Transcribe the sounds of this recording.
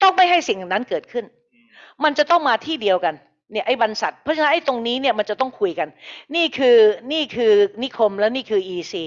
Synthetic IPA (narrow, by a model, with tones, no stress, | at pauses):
t̪ɔ˥˩ŋma˥˩jɦa˥˩jsi˨˩ŋʰa˨˩na˦˥nkɤː˨˩t̪̚kʰɯ˥˩n | ma˧nt͡ɕa˨˩t̪ɔ˥˩ŋmaː˧t̪ʰiː˥˩di˧əwka˧n | ni˥˩ɐʔa˥˩jba˧nsa˨˩t̪̚pʰɔ˦˥t͡ɕʰa˧na˦˥nʔa˥˩jt̪o˧ŋniː˦˥ni˥˩ɐma˧nt͡ɕa˨˩t̪ɔ˥˩ŋkʰu˧jka˧nniː˥˩kʰɯː˧niː˥˩kʰɯː˧ni˦˥kʰo˧mlɛː˦˥wniː˥˩kʰɯː˧ʔiː˧siː˧